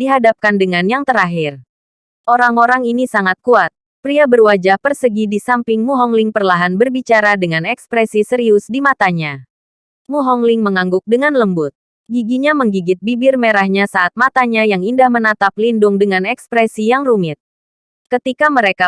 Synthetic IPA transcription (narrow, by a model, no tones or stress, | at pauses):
diɦadap̚kandəŋanjaŋt̪əɾaɦɪr | ʔoɾaŋoɾaŋinisaŋat̪̚kuat̪̚ | pɾiabərwad͡ʒahpərsəɡidisampɪŋmuɦɔŋlɪŋpərlaɦanbərbit͡ʃaɾadəŋanɛkspɾɛsisəɾiʊsdimat̪aɲa | muɦɔŋlɪŋməŋaŋɡʊk̚dəŋanləmbʊt̪̚ | ɡiɡiɲaməŋɡiɡɪt̪̚bibɪrmeɾahɲasaʔat̪̚mat̪aɲajaŋindahmənat̪ap̚lindʊŋdəŋanɛkspɾɛsijaŋrumɪt̪̚ | kət̪ikaməɾeka